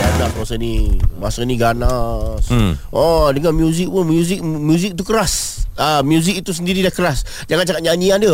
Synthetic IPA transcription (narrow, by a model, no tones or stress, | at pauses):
anaʔ̚masanimasəniɡanasʔɔdəŋanmjuzɪk̚punmjuzik̚mjuzik̚t̪̬ukəɾasamjuzik̚it̪us̬əndiɾidakəɾas | d͡ʒaŋant͡ʃakat̪̚ɲaɲianda